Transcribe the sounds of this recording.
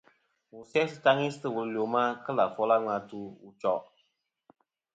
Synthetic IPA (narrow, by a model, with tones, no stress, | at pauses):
wu˨sɛ˦sɨ˨ta˦ŋi˦sɨ˦tɨ˨wu˨llo˨ma˦kə˦la˨fɔ˦la˦ŋa˨tu˦u˨t͡ʃɔ˦˨